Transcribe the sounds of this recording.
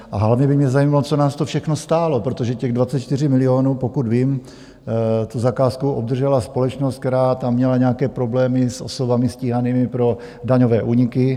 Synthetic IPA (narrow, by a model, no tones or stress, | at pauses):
ʔaɦlavɲɛbɪmɲɛzajimalot͡so̞naːst̪ofʃɛxno̞st̪aːlo̞pɾo̞t̪o̞ʒɛcɛɣdvatt͡sɛt̪̚t͡ʃt̪ɪrɪmɪlɪoːnuːpo̞kud̪viːm | t̪uzakaːskuʔob̚d̪r̩ʒɛlaspo̞lɛt͡ʃnost̪̚kt̪ɛɾaːt̪amːɲɛlaɲɛakɛːpɾo̞blɛːmɪsʔo̞̰so̞vamɪsciːɦaniːmɪpɾo̞ | daɲovɛːʔuːɲɪkɪ